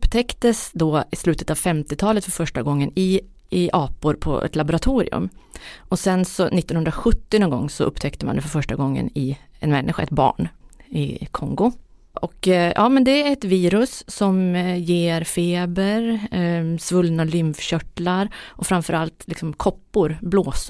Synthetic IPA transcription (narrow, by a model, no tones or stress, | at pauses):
pːt̪ʰɛkt̪əsd̪oɪslʉ̟ːt̪ət̪avfɛmt̪ɪt̪ʰɑːlət̪fœɾfœʂʈaɡɔŋːənɪ | ɪʔɑːpʊɾpʰɔ̰ʔɛ̰t̪labʊɾat̪ʰuːɾɪ̰ɵ̰mʔɔsɛnsɔnɪt̪ːɔnhɵnd̪ɾaɧɵt̪ːɪnɔːnɡɔ̰ŋːsɔʔɵpːt̪ʰɛkt̪əmand̪ɛfœɾfœʂʈaɡɔŋːə̰nɪ | ɛnmɛnːʔɪɧa̰ɛ̰t̪̚bɑ̰ːɳɪkʰɔŋɡʊ | ʔɔkjɑ̰ːmɛnd̪ɛɛt̪viːɾɵsːɔmjeːɾfeːbəɾ | svɵlnalʏmfɕœʈlaɾʔɔfɾamfœɾalt̪lɪksɔmkʰɔpːʊɾbloːs